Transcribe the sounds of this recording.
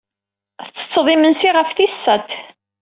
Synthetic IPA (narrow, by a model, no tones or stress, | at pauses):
θt͡sːə̥t͡sːðˤimənsiʁəfθisːæt̪